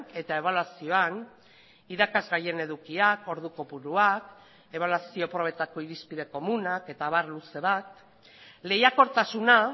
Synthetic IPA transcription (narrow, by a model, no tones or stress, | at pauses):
e̞t̪ae̞β̞alwasio̞an | iðakazɣaje̞ne̞ðukiako̞ɾðuko̞puɾuak | e̞βalwasio̞pɾo̞β̞e̞t̪ako̞iɾispiðe̞ko̞munake̞t̪aβaɾluse̞βat̪ | le̞jako̞ɾt̪asuna